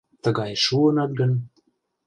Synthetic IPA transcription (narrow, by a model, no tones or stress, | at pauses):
t̪əɣɑjʃuənɑt̪̚ɡə̆n